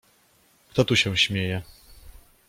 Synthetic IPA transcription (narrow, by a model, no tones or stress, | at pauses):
k̚t̪ɔt̪uɕɛ̃ɕmʲjejɛ